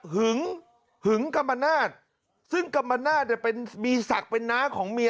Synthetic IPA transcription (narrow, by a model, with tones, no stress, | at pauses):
hɯ˨˩˦ŋ | hɯ˨˩˦ŋka˧mːa˧naː˥˩t̪̚ | sɯ˥˩ŋka˧mːa˧naː˥˩t̪̚nɛː˧˩pe˧nmiː˧sa˨˩k̚pe˧nːaː˦˥kʰɔː˩˦ŋmi˧